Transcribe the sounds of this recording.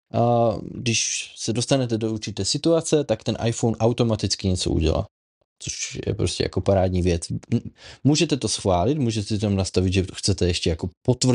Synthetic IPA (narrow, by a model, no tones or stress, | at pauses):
ɡdɪʃsɛdo̞st̪anɛt̪ɛdo̞uɾt͡ʃɪt̪ɛːsɪt̪uat͡sɛt̪akt̪ɛnʔa̰jfownʔawt̪o̞mat̪ɪt͡skɪɲɛt͡so̞̰ʔṵɟɛ̰la̰ː | t͡soʃjɛ̰pɾo̞scɛ̰ja̰ko̞paɾaːd̪ɲiːvjɛt͡s | muːʒɛt̪ɛt̪o̞sxvaːlɪt̪muːʒɛt̪ɛsit̪amnast̪avɪd̪ʒɛxt͡sɛt̪ɛjɛʃcɛjako̞pot̪vr̩